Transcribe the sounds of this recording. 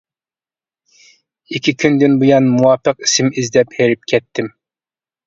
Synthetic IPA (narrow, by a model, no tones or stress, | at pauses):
ikʲʰikʲʰynd̪ɪnbujɑnmuwɑːpəqi̥sɪmizd̪ɛpheɾɪp̚kʲʰɛt̪ʰːɪm